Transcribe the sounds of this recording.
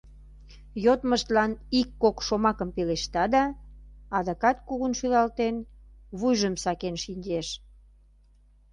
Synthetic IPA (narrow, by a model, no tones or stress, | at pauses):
jot̪məʃt̪lɑnikːokʃomɑkəmpeleʃt̪ɑd̪ɑ | ɑd̪ɑkɑt̪̚kuɣunʃylɑlt̪enβujʒəmsɑkenʃinʲd͡ʑeʃ